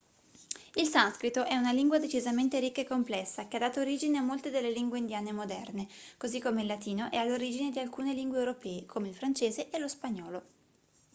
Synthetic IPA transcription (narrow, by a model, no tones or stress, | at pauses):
ilsanskɾit̪oʔɛunaliŋɡwad̪et͡ʃizament̪eɾikːaekːomplɛsːak̟ead̪aːt̪ooɾiːd͡ʒineamːolt̪ed̪elːeliŋɡweind̪jaːnemod̪ɛrnekozikːomeilːat̪iːnoʔɛalːoɾid͡ʒined̪ialkuːneliŋɡwewɾopɛːekʰomeilfɾant͡ʃeːzeʔelospaɲːɔːlo